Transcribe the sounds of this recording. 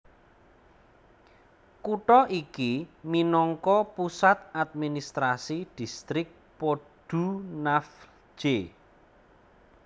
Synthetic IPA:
kuʈɔʔikiminɔŋkɔpusat̪̚ad̪̚minist̪ɾasid̪̥i̤st̪ɾɪk̚ | poɖ̥unaf | ʒ̥e

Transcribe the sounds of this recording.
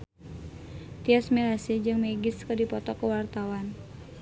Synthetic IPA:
t̪iasmeɾasid͡ʒɨŋmeɡɪskədipɔt̪ɔkəwart̪awan

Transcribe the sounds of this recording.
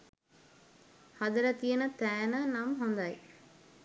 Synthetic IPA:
had̪ɐɾɐt̪ijenət̪æːnənamɦond̪aj

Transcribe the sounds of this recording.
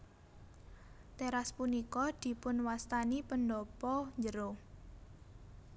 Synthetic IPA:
t̪eɾaspunikɔd̪̥i̤pʊnwast̪anipənɖɔpɔɲd͡ʒəɾo

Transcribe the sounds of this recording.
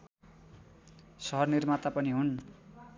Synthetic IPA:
sʌɦʌrnirmat̪apʌniɦun

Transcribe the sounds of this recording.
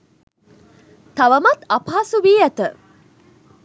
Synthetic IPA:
t̪aʋəmat̪apaːsuʋiːæt̪ə

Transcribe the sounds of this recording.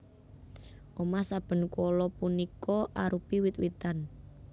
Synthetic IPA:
ʔomahsab̥ə̤nkɔlɔpunikɔʔaɾupiwɪt̪̚wit̪an

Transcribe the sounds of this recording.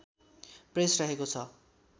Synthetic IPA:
presraɦekot͡sʰʌ

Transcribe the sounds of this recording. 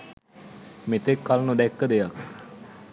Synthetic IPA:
met̪ekːalnud̪ɛkːəd̪ejak

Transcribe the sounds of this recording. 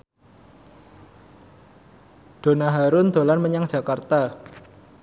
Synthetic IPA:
d̥o̤naɦaɾʊnd̪̥o̤lanməɲaŋ̥d͡ʒ̥a̤kart̪a

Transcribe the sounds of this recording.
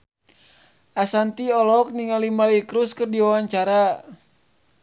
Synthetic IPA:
asant̪iɔlɔk̚niŋalimalikɾuskərdiwawaɲt͡ʃaɾa

